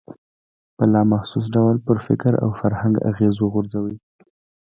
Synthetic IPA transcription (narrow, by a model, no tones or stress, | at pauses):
pəlɑmaxsus̬ɖawlpəɾfɪkɾa̰wfaɾhaŋɡa̰ɣezoɣʊɾzawi